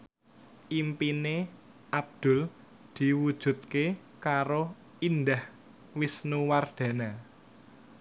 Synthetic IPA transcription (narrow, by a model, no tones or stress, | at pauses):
ʔimpine | ʔab̚d̪̥ʊ̤l | d̪̥i̤wud̥ʒ̥ṳt̪̚ke | kaɾo | ind̪ah | wisnuward̪̥a̤na